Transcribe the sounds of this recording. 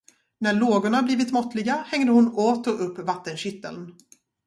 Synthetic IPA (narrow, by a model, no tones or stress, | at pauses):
næɭoːɡʊɳabliːvɪt̪mɔt̪lɪɡahɛŋd̪əhʊnoːt̪ɔɵpːvat̪ːənɕɪt̪ːə̰ln